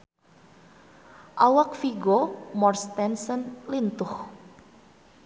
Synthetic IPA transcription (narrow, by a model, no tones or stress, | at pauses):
ʔawak̚fiɡomɔrst̪ɛnsənlint̪ʊh